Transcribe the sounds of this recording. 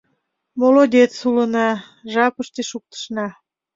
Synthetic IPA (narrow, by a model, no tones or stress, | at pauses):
molod̪ʲet̪sulənɑ | ʒɑpəʃt̪eʃuk̚t̪ə̥ʃnɑ